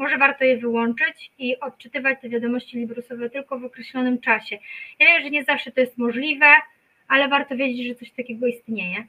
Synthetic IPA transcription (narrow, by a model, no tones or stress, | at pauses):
mɔʐɛvaɾt̪ɔjɛvɘwɔnt͡ʂɘt͡ɕiʔɔt̪̚t͡ʂɘt̪ɘvat͡ɕt̪ɛvʲjad̪ɔmɔɕt͡ɕilʲibɾusɔvɛt̪ɘlkɔvɔkɾɛɕlɔnɘmt͡ʂaɕɛjavʲɛmɛʐɛɲɛzafʂɛt̪ɔjɛst̪mɔʐlʲivɛ | alɛvaɾt̪ɔvʲjed͡ʑet͡ɕʐɛt̪sɔɕt̪akʲɛɡɔist̪ɲejɛ